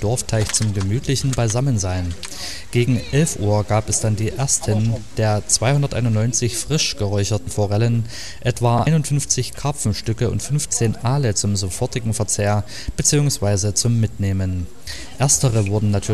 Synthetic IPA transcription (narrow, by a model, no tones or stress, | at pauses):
d̥ɔɐftʰaɪçt͡sʊmɡəmyːtʰlɪçn̩baɪzamənzaɪn | ɡ̥eːɡŋ̩ʔɛlfʔuːɐɡ̥aːpɛsd̥andiːʔeːɐstʰənd̥eːɐt͡sv̥aɪhʊndɐtʔa̰ɪnʊntnɔʏnt͡sɪçfʁ̥ɪʃɡ̥əʁɔʏçɐtn̩foʁɛlən | ʔɛtv̥aːʔaɪnʊntfʏnft͡sɪçkʰapp͡fm̩ʃtʏkəʊ̰ntfʏnft͡seːnʔaːlət͡sʊmzofɔɐtɪɡŋ̩fɛɐt͡seːɐ | b̥ət͡siːʊŋsv̥aɪzət͡sʊmːɪtneːmən | ʔeːɐstəʁəvʊɐdn̩natʰyː